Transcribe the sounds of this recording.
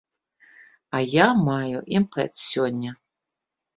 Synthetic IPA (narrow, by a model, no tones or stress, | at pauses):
ɐjamajuʔimpɛ̰t̪ssʲɔnʲːɐ